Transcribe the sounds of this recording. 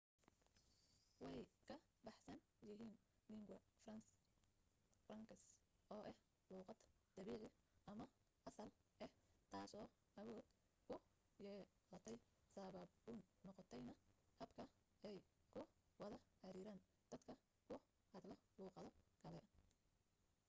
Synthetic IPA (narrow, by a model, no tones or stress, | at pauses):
wɛjkʰɐbɑħsɐn | jɪɦiːnː | iŋɡɐfrɐns | frɐŋkʰɐsʔɔːʔɛh | luːqɑd̪d̪̥ɐβiːʕɪɪʔɐmɐ | ʔɐsɐlʔɛht̪ʰaːsɔː | ʔɐwɔːd̪ | kʰʊ | jɛ | lɐt̪ʰɛj | saːβɐbbunːɔqɔt̪ʰɛjnɐhɐbkʰɐ | ɛjkʰʊwɐðɐħɑɾiːɾaːn | d̪̥ɐd̪kʰɐ | kʰʊ | hɐd̪lɐluːqɑðɔɡ̥ʰɐlɛʔɐ